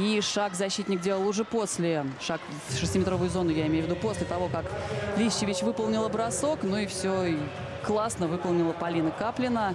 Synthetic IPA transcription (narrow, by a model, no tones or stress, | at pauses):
iʂakzɐɕːit̪ʲnʲɪk̚dʲe̞lˠəlˠʊʐɛposʲlʲɪʂak | ʂɨsʲtʲimʲɪt̪ɾo̞vʊjʊzo̞nʊjaɪmʲejʊvʲɪd̪upo̞sʲlʲɪt̪ɐvo̞kaklʲiɕːɪvʲɪt͡ɕvɨpəlˠnʲɪlˠəbɾɐso̞knuɪfsʲoi | klˠasnəvɨpəlˠnʲɪlˠəpɐlʲinəkaplʲɪnə